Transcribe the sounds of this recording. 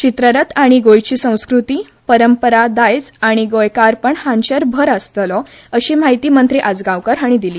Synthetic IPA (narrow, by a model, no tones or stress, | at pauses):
t͡ɕit̪ɾəɾət̪aɽ̃iɡojt͡ɕiːsə̃w̃skɾut̪iː | pəɾəmpəɾad̪ajd͡zaɽ̃iɡojkaɾpəɳhãnɕəɾbʱəɾəst̪lɔ | əɕiːmaɦit̪iːmənt̪ɾiʔad͡zɡaʋkəɾaɽ̃id̪iliː